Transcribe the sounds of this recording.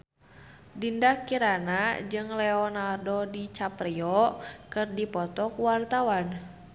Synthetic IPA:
dindakiɾanad͡ʒɨŋlɛɔnardɔdit͡ʃapriɔkɨrdipɔt̪ɔkuwart̪awan

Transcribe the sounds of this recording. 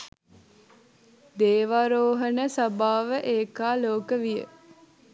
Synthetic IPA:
d̪eːʋaɾoːɦənəsabaːʋəʔeːkaːloːkəʋijə̰

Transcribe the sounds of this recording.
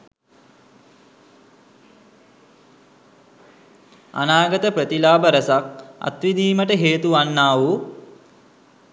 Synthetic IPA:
a̰naːɡət̪əpɾət̪ilaːbəɾəsak̚a̰t̪ʋid̪iːməʈəɦeːt̪uʋanːaːʋu

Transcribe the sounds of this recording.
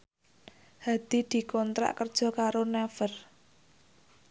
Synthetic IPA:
had̪̥i̤d̪̥i̤kɔnt̪ɾa̰ʔkərd̥ʒ̥ɔ̤kaɾonɛfər

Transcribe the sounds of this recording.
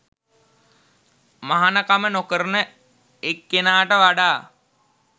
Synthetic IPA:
maɦanəkamənokəɾənə | ekːenaːʈəʋaɖaː

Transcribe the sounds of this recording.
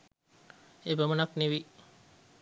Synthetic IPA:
ebəmənakniʋi

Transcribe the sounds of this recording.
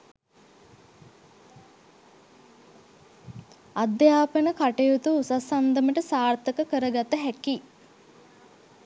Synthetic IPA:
ad̪jaːpənəkaʈejut̪uusasand̪əməʈəsaːrt̪əkəkəɾəɡat̪ːəɦæki

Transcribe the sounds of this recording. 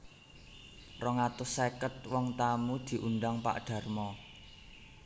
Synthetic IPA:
rɔŋat̪ʊsekət̪̚wɔŋt̪amud̪̥i̤ʔunɖaŋpa̰ʔɖ̪̥a̤rmɔ

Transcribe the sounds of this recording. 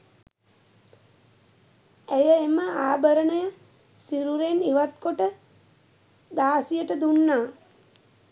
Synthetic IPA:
æjəeməaːbəɾəɳəjə | siɾuɾeniʋat̪koʈə | d̪aːsijəʈəd̪unːaː

